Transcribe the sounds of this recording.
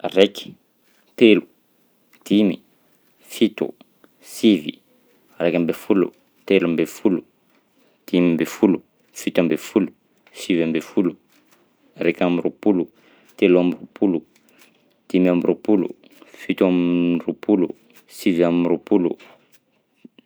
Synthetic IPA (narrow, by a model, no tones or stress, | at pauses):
reki̥ | t̪elu | t̪imi | fit̪ṵ | sivḭ | rekʲambefulṵ | t̪elambefulu | t̪imimbefulu | fit̪ambefulu | sivambefulu | rekamirupulu | t̪eluamrupulu | t̪imamrupulṵ | fit̪amrupulṵ | siviamɾupulṵ